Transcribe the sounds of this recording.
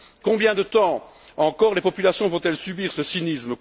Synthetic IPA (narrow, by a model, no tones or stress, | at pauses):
kɔ̃bjɛ̃d̪ət̪ɑ̃ | ɑ̃kɔʁlepɔpylasjɔ̃vɔ̃t̪ɛlsybiːʁsəsinismək